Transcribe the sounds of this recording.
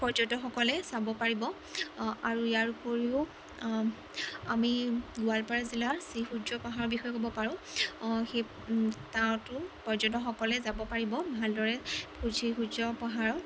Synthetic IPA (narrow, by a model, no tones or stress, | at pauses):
pɔɹzɔtɔxɔkɔlɛsabɔpaɹibɔ | aɹuijaɹupoɹiʊ | amiɡʊalpaɹazilaɹsixud͡ʒɔpɔɦaɹɔbixɔjɔkobɔpaɹʊ̃ | xe | taɹtʊpɔɹzɔtɔxɔkɔlɛzabɔpaɹibɔbʱaldɔɹɛpʰuzixud͡ʒɔpaɦaɹɔ